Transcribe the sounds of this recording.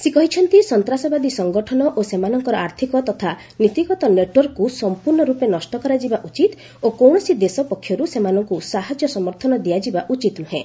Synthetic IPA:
sekɔɦit͡ʃʰɔnt̪isɔnt̪ɾasɔbad̪isɔŋɡɔʈʰɔnɔʔosemanɔŋkɔɾɔaɾt̪ʰikɔt̪ɔt̪ʰa | nit̪iɡɔt̪ɔneʈwɔɾkːusɔmpuɾnɔɾupenɔsʈɔkɔɾad͡ʒibaʔut͡ʃit̪ | okɔwɳ̃ɔsid̪esɔpɔkʰːjɔɾusemanɔŋkusaɦad͡ʒjɔsɔmɔɾt̪ʰɔnɔd̪iad͡ʒibaʔut͡ʃit̪nuɦẽ

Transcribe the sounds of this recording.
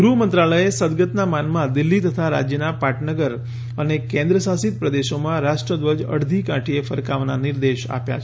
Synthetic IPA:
ɡɾumənt̪ɾaɭəesəd̪ɡət̪namanmãd̪ɪlːit̪ət̪ʰaɾa̰d͡ʒjənapaʈʰnəɡəɾ | ənekẽnd̪ɾəsasit̪̚pɾəd̪eʃomãɾaʃʈɾəd̪ʋəd͡ʒə̰ɽd̪ʱikãʈʰiefəɾkaʋnanɪɾd̪eʃa̰pja̰t͡ʃʰ

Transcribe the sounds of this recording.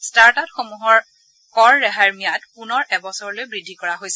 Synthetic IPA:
staɹtatxomuɦɔɹ | kɔɹːɛɦaɹmijatpunɔɹʔɛbɔsɔɹɔlojbɹidʱːikɔɹaɦojsɛ

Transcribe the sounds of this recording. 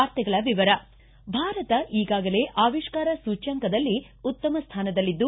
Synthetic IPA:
aːɾt̪ɛɡɐɭɐʋiʋɐɾɐ | bʱaːɾɐt̪ɐʔiːɡaːɡɐle̞ːʔaːʋiʃkaːɾɐsuːt͡ʃɐŋkɐd̪ɐlːi | ut̪ːɐmɐst̪ʰaːnɐd̪ɐlːid̪ːu

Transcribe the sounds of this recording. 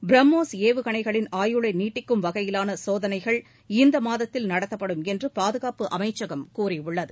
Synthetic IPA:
bɾɐmːoːseːʋɯɣɐɳɐɪɣɐɭɪnaːjɯɭɐɪniːʈːɪkːɯmʋɐɣɐjɪlaːnɐsoːðɐnɐɪɣɐɭ | ɪnd̪ɐmaːðɐt̪ːɪlnɐɽɐt̪ːɐpːɐɽɯmɛndrɯpaːðɯɣaːpɯʔɐ̰mɐɪt͡ʃːɐɣɐmkuːriʊɭːɐðɯ

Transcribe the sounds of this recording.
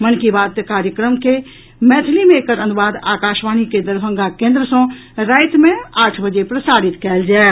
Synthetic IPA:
mənkibaːd̪t̪kaːɾjəkɾəmke | mɛt̪ʰlimeːkəɾə̃nd̪uʋaːd̪a̰ːkaːʃʋaːñiked̪əɾbʱə̃ŋɡakẽːnd̪ɾəsɔ̃ | ɾaːɪt̪mẽaːʈʰbəd͡ʒepɾəsaːɾit̪kɛːld͡ʒaː

